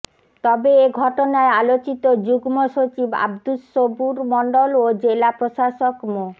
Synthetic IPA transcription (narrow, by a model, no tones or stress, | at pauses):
t̪ɔbeeɡʱɔʈonaealot͡ɕit̪od͡ʑuɡmoʃot͡ɕiba̰bd̪usobuɾmɔɳɖolod͡ʑelapɾoʃaʃokmo